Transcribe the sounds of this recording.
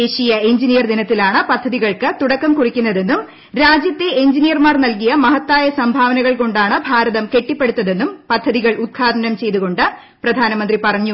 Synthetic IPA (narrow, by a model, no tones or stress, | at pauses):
d̪eːɕijɐeɲd͡ʑinijɐrd̪inɐt̪ːilaːɳɨpɐd̪ʱːɐðiɣɐɭkɨt̪uɽɐkːɐmkurikʲːunːɐðe̞nːum | ɾaːd͡ʑjɐt̪ːeeɲd͡ʑinijɐrmaːrnɐlkijɐmɐɦɐt̪ːaːjɐsɐmbʱaːʋɐnɐɣɐɭko̞ɳɖaːɳɨbʱaːɾɐðɐmke̞ʈːipːe̞ɽut̪ːɐðe̞nːumpɐd̪ʱːɐðiɣɐɭut̪̚kʰaːd̪ɐnɐmt͡ɕe̞jt̪uɣo̞ɳɖɨ | prɐd̪ʱaːnɐmɐnd̪ripɐrɐɲːu